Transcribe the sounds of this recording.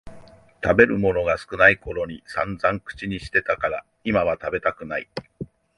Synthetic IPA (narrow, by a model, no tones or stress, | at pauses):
t̪abe̞ɾɯ̟mo̞no̞ɡasɨ̥kɯ̟naiko̞ɾo̞ɲ̟isãnd͡zãŋkɯ̟̥t͡ɕiɲ̟iɕi̥t̪e̞t̪akaɾa | imaβ̞at̪abe̞t̪akɯ̟nai